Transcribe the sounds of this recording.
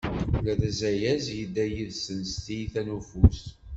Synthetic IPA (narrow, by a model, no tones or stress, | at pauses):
læðæzæjæzjid̪æjiðsənst̪ijθænufus